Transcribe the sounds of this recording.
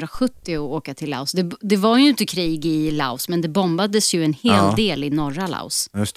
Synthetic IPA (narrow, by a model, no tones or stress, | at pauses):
ɾaɧɵt̪ːɪɔoːkat̪ʰɪlːa̰ʊsd̪ɛd̪ɛvaɾjɵɪnt̪əkʰɾiːɡɪla̰ʊsmɛnd̪ɛbɔmbad̪əsjɵɛnheːld̪eːlɪnɔɾːala̰ʊs